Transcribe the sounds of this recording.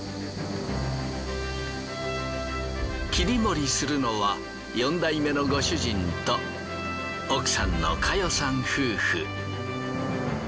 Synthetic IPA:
kʲiɾʲimo̞ɾʲisɨɾɯno̞βa | jõ̞nd̪aime̞noɡo̞ɕɨʑĩnt̪o | okɯ̟̥sãnːo̰kʰajosãɰ̃hɯːɸɯ̰

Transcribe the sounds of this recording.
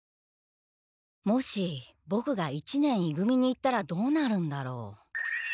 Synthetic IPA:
mo̞ɕi | bo̞kɯ̟ɡait͡ɕinẽ̞ɰ̃iɡɯ̟mʲiɲ̟iːt̪ːaɾad̪o̞ːnaɾɯ̟̃nd̪aɾo̞̰ː

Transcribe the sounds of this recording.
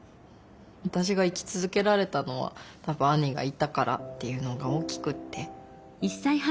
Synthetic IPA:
βat̪aɕ̬iɡaikʲi̥t͡sɨzɨke̞ɾaɾe̞t̪ano̞βa̰t̪abɯ̟̃aɲ̟iɡa̰it̪akaɾa̰t̪ːe̞jɯ̟no̞ɡao̞ːkʲi̥kɯ̟t̪ʰːe̞ | isːaih

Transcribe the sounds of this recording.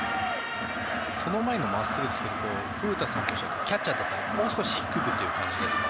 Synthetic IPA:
so̞no̞mae̞nomasːɨɾɯd̪sɨ̥keɾko | ɸɯɾɯ̟t̪asãŋkʲo̞ːɕokʲat͡ɕt͡ɕːad̪at̪ːaɾamo̞ːsɨ̥ko̞ɕi̥çi̥kɯ̟kɯ̟t̪ːe̞jɯ̟kã̰ɲ̟d͡ʑid̪esɨ̥

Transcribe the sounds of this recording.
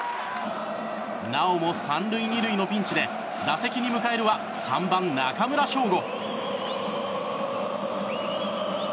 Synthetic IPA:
nao̞mo̞sãnɾɯ̟iɲiɾɯ̟ino̞pʲĩɲ̟t͡ɕid̪e̞ | d̪ase̞kʲiɲ̟imɯ̟kae̞ɾɯ̟βa | sã̰mbãnnakamɯ̟ɾaɕo̞ːɡo̞

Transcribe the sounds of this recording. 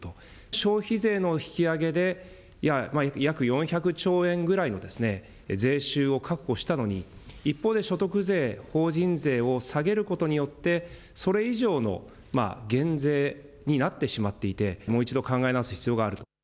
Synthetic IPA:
t̪o | ɕo̞ːçize̞ːno̞çi̥kʲiaɡe̞d̪e̞ | jamajakjakɯ̟jõ̞ɰ̃çakɯ̟t͡ɕo̞ːẽ̞ŋɡɯ̟ɾaino̞d̪e̞sɨne̞ | ze̞ːɕɨːo̞kʰakɯ̟̥ko̞ɕi̥t̪ano̞ɲ̟iipːo̞ːd̪e̞ɕo̞t̪o̞kɯze̞ːho̞ːʑĩnze̞ːo̞saɡe̞ɾɯ̟ko̞t̪o̞ɲ̟ijo̞t̪ːe̞ | so̞ɾe̞iʑo̞ːno̞̰ | ma̰ɡẽ̞nd͡ze̞ː | ɲ̟inat̪ːe̞ɕimat̪ːe̞it̪e̞mo̞ːit͡ɕid̪o̞kãŋɡae̞naazɨ̥çi̥t͡sɨjo̞ɡaːɾɯ̟t̪o

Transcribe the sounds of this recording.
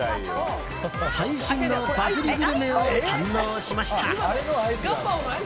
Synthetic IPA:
saiɕĩnːobakɯɾʲiɡɯɾɯmẽoãnːoːɕimaɕit̪ʰaɾa

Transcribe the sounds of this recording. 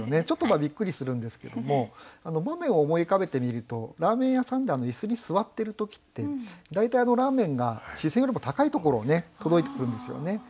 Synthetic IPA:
one̞t͡ɕo̞t̪ːomabʲikːɯ̟ɾʲisɨɾɯ̟̃nd̪e̞sɨ̥ke̞̰d̪o̞mo̞ano̞bamẽ̞ɰ̃o̞ːmo̞ikabe̞t̪e̞mʲiɾɯ̟t̪o̞ɾaːmẽ̞ɰ̃jasãnd̪e̞ano̞isɨɲ̟isɨβat̪ːe̞ɾɯ̟t̪o̞kʲi̥t̪ːe̞d̪ait̪aiano̞ɾaːmẽ̞ŋɡaɕisẽjoɾimot̪akait̪o̞ko̞ɾo̞ːne̞t̪o̞d̪o̞it̪e̞kɯ̟̃nd̪esɨjo̰ne̞

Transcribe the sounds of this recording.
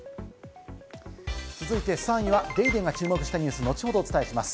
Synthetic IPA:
t͡sɨzɨit̪e̞sãɰ̃iβad̪e̞id̪ẽ̞ŋɡat͡ɕɨːmo̞kɯ̟ɕi̥t̪aɲ̟ɨ̟ːsɨno̞t͡ɕi̥ho̞d̪o̞ːt͡sɨ̥t̪ae̞ɕimasɨ̥

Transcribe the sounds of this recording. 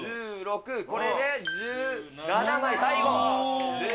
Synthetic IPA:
ɯːɾokɯko̞ɾed̪e̞d͡ʑɨː | nanamasaikod͡ʑ

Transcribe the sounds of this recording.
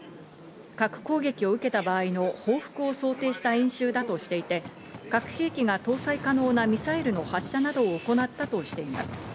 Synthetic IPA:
kakɯ̟̥ko̞ːɡe̞kʲio̞ɯ̟ke̞t̪abaːino̞ho̞ːɸɯ̟̥kɯ̟o̞so̞ːt̪e̞ːɕi̥t̪aĩɰ̃ɕɨːd̪at̪o̞ɕi̥t̪e̞it̪e̞ | kakɯ̟̥heːkʲiɡat̪o̞ːsaikano̞ːnamʲisaiɾɯ̟no̞haɕːanad̪o̞ːko̞nat̪ːat̪o̞ɕi̥t̪e̞ima̰sɨ̥

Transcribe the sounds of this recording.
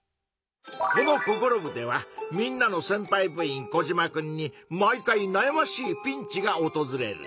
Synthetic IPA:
ko̞no̞ko̞ko̞ɾo̞bɯ̟d̪e̞βamʲĩnːano̞sẽ̞mpaibɯ̟ĩŋko̞ʑimakɯ̟̃ɲ̟ːimaikainajamaɕiːpʲĩɲ̟t͡ɕiɡao̞t̪o̞zɨɾe̞̰ɾɯ̰

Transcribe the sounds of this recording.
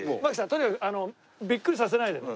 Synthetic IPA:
makɯ̥s̬ãnt̪oɲʲikakɯano | bʲikːɯɾʲis̬as̬e̞naid̪e

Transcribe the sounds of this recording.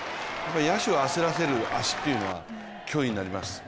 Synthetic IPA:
japːaɾʲijaɕio̞aseɾase̞ɾɯ̟aɕi̥t̪ːe̞iɯ̟no̞βa̰ | kʲʰo̞ːiɲ̟inaɾʲimasɨ̥

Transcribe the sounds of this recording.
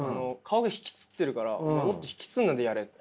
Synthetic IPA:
ano̞kʰaoɡaçi̥kʲi̥t͡sɨ̥t̪ːe̞ɾɯ̟kaɾa̰amot̪ːoçi̥kʲi̥t͡sɨnːad̪e̞jaɾe

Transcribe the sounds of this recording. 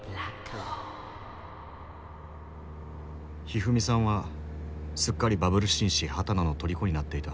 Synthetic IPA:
bɾakʰo | çiɦɯ̟mʲisãɰ̃βa | sɨkːaɾʲibabɯ̟ɾɯ̟ɕĩɰ̃ɕihat̪anano̞t̪o̞ɾʲiko̞ɲ̟inat̪ːe̞it̪a

